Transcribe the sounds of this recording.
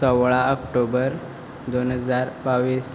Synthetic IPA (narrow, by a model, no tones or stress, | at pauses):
sɔwɭaəkʈobəɾ | d̪onɦəd͡zaɾbaʋiːs